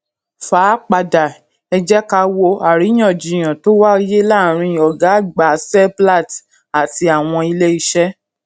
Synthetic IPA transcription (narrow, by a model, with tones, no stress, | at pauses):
faː˨˦k͡pa˨da˨ | ɛ˧d͡ʒɛ˦ka˧wo˧a˨ɾi˨˦j̃ã˦˨d͡ʒi˨j̃ã˨to˦wa˦je˦la˦˨ɾ̃ĩ˧˨ɔ˨ɡa˨˦ɡ͡ba˨sɛ˦bla˦˨t | a˨ti˧a˨w̃ɔ̃˧i˧le˦i˧ʃɛ˦